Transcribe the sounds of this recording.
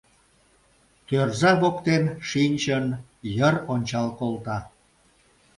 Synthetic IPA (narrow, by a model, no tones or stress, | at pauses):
t̪ørzɑβokt̪emʃinʲt͡ɕən | jəronʲt͡ɕɑlkolt̪ɑ